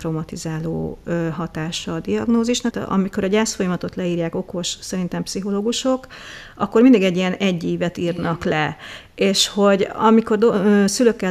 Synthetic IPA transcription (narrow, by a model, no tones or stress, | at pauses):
romɒt̪izaːlo̰ːøːɦɒt̪aːʃɒːd̪iɒɡnoːziʃnɒt̪ʔɒ̰miko̞ɾɒɟaːsfo̞jɒmɒt̪o̞t̪lɛiːrjaːko̞ko̞ʃsɛɾin̪t̪ɛmpsiɦo̞loːɡuʃo̞k | ʔɒ̰kːormind̪iɡɛɟːijɛnɛɟːiːvɛt̪iːrnɒklɛ | eːʃho̞ɟɒmiko̞rd̪oøsyløkːɛ